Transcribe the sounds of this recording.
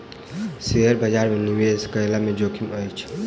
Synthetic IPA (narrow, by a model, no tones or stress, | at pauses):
seəɾbʱəd͡ʒaɾmeniweskəjlamed͡ʒokʰiməjt͡ʃʰ